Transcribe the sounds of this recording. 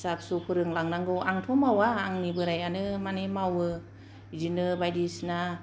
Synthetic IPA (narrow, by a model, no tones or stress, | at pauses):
sap̚supʰɯɾɯŋlaŋnaŋɡɯwʔaŋtʰɔmawaːŋnibɯɾajanɯmanemawɯ | zinɯbajdisna